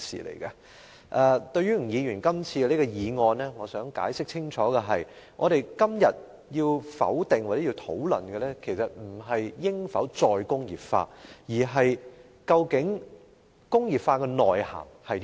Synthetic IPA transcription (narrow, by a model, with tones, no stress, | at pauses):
sḭː˨lḛ˨˩jkɐ˧ | ʔɛː˧t̪ɵ˧ɥyː˥˨˩jiː˨˧jyː˨˩nkɐ˥mt͡sʰiː˧ɡɛ˧li˥kɔ˧jiː˨˧ŋɔː˧nlɛː˥ŋɔː˨˧sœː˨˥ŋka̰ː˨˥jsɪ˥k̚t͡sʰɪ˥ŋt͡ʃʰɔː˨˥ɡɛ˧ɦɐ˨j | ŋʔɔː˨˧ɾe˨jkɐ˥mjɐ˨t̚ | jiː˧wfɐ̰˨˥wt̪ɪ˨ŋwa˨˩t͡sɛ˨˥ji˧wt̪ʰo˨˥wlɵ̰˨˩nɡɛ˧lɛː˥kʰe˨˩jsɐ˨t̚m̩˨˩ɦɐ˨jjɪ˥ŋfɐ˨˥wt͡sɔː˧jkʊ˥ŋjiː˨p̚fa̰ː˧jiː˨˩ɦɐ˨j | kɐ˧wkɪ˨˥ŋ | kʊ˥ŋjiː˨˩p̚faː˧kɛː˧nɔː˨jha̰ː˨˩ŋhɐ˨j